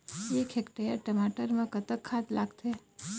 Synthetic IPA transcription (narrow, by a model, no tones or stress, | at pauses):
ekʰekʈajəɾʈəmaʈəɾmãkət̪əkʰːat̪laɡt̪ʰe